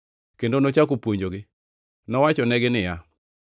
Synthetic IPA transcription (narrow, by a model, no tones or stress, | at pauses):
kendonot͡ʃakopwoɲd͡ʒoɡɪ | nɔwat͡ʃɔnɛɡɪnɪja